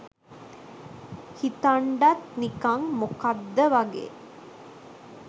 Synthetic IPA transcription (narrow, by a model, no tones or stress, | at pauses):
hit̪aɳɖat̪nikaŋmukad̪ːəʋaɡḛː